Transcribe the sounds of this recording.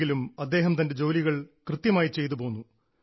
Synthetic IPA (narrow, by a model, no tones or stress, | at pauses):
ɡilumɐd̪ːe̞ːɦɐmt̪ɐnde̞d͡ʑo̞ːliɣɐɭkrɨt̪jɐmaːjit͡ɕe̞jt̪upo̞ːnːu